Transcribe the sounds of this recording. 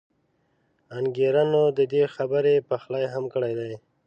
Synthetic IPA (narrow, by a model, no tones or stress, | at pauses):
anɡeɾanod̪əd̪exabəɾepaxlajɦamkəɽajd̪aj